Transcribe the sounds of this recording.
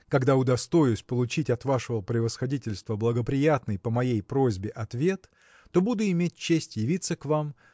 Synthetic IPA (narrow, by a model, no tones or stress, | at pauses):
kɐɡd̪aʊd̪ɐst̪o̞jʊsʲpəlˠʊt͡ɕitʲɐt̪vaʂəvəpɾʲɪvəsxɐdʲitʲɪlʲst̪vəblˠəɡəpɾʲɪjat̪nɨjpəmɐjejpɾo̞zʲbʲɪʔɐt̪vʲe̞t̪ː | o̞bud̪ʊɪmʲet̚ʲt͡ɕːesʲtʲjɪvʲit̪səkvam